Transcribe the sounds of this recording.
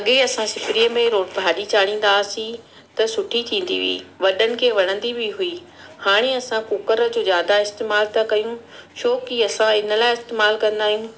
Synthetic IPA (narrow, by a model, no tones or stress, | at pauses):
ɐɠeɐsãsɪpɾiəmẽɾoːʈbʱaːɗit͡ɕaːɽ̤ĩːn̆d̪aːsĩ | t̪ɐsʊʈʰit̪ʰĩːn̆d̪ḭʋḭḭːʋɐɗənɪ̆kʰeːʋɐɽ̤̃ə̃nd̪ibʱɪɦui | haːɽ̃eɐsãkʊkəɾd͡ʑoːzjaːd̪aɪst̪eːmaːlt̪ʰɐkɐjũ | ʃoːkiɐsãɪnə̆laːɪɪst̪eːmaːlkɐ̃nd̪aːɦijũː